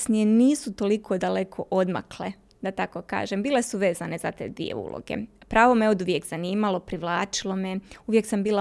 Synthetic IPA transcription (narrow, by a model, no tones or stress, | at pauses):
snijeniːsut̪o̞likʰod̪ale̞kʰo̞ʔo̞d̪ma̰kle | d̪at̪ako̞ka̰ːʒembiːle̞suʋe̞ːzane̞zat̪ḛːd̪ʋḭjḛṵːlʔo̰ɡḛpɾaːʋomeod̪uʋjekz̥aniːmalˠo̞pɾiʋlˠaːt͡ʃilˠo̞meuʋje̞ksambiːla